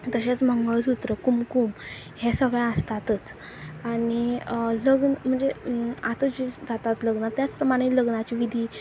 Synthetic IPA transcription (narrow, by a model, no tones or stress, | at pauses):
t̪əɕat͡sm̤əŋɡɭəsut̪ɾəkumkum | hɛsəɡjaəst̪at̪ət͡s | aɽ̃iləɡnm̤əɳd͡zeat̪əd͡ʑid͡zat̪at̪ləɡnat̪jat͡spɾəmaɽ̃eləɡnat͡ɕiːʋid̪ʱiː